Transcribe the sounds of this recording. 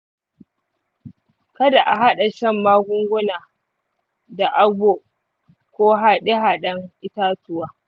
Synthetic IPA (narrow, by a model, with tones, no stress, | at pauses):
kɐ˦da˨ʔa˨ɦa˦ɗa˨ʃɐ˦˨mːaː˦ɡʷʊ˦ŋɡʷʊ˦naː˨ | da˨ʔa˦ɡʷoː˨ʔ | kʷoː˦ɦa˦ɗe˦ɦa˨ɗɐ˦ŋʔɪ˦taː˦tʊ˦waː˦